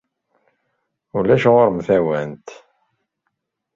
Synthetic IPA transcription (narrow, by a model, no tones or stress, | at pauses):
ulæʃʁoɾmfæwænt̪